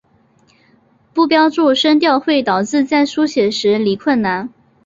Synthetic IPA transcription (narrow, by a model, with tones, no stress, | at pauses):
pu˥˩pjɑ˥ʊʈ͡ʂu˥˩ʂə˥nt̪jɑ˥˧ʊxwe˥˩ɪt̪ɑ˨˩ʊʈ͡ʂɻ̩˥˧t͡sa˥˩ɪʂu˥ɕjɛ˨˥ʂɻ̩˧˥li˧˥kʰwə˥˩nna˧˥n